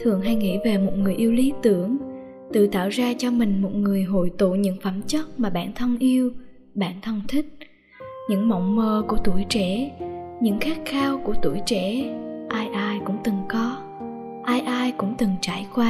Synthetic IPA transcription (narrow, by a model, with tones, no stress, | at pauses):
t̪ʰɨ˨˩əŋɦa˧jŋḭ˧˥ve˨˩mo˨˩t̚ŋɨ˨˩əjʔi˧əwli˨˦t̪ɨ˧˩əŋ | t̪ɨ̰˧˨t̪a̰ː˧˨wzaː˧t͡ɕɔ˧mï˨˩ŋ̟mo˨˩t̚ŋɨ˨˩əjɦo̰˧˨jt̪ṵ˧˨ɲɨ̰˧˥ŋfə˧˩mt͡ɕə˦˥t̚maː˨˩ɓa̰ː˧˩nt̪ʰə˧nʔi˧əw | ɓaː˧˩nt̪ʰə˧nt̪ʰï˦˥k̟̚ | ɲɨ̰˧˥ŋmɔ˧˨wŋ͡mməː˧˩ku˧˩ət̪u˧˩jt͡ɕɛ˧˥ɲɨ̰˧˥ŋxaː˦˥k̚xaː˧wku˧˩ət̪u˧˩jt͡ɕɛ̰˧˥ʔaː˧jʔaː˧jkʊ̰˧˥ŋ͡mt̪ɨ˨˩ŋkɔ˨˦ | ʔaː˧jʔaː˧jkʊ̰˧˥ŋ͡mt̪ɨ˨˩ŋt͡ɕaː˧˩jkwaː˧